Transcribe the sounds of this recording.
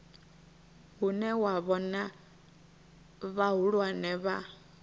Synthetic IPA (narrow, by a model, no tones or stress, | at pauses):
ɦunɛwaβɔna | βaɦuɺwanɛβa